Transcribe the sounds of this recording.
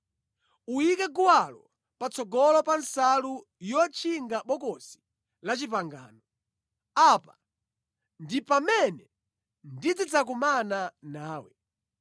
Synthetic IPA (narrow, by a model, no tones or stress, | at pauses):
uikɛɡuwalɔ | pat͡sɔɡɔlɔpansalu | jɔt͡ʃʰiŋɡaɓɔkɔsi̥ | lat͡ʃip̬aŋɡa̰ːnɔ | apa | ndipamɛnɛ | ndid͡zit͡sak̬umananaːwɛ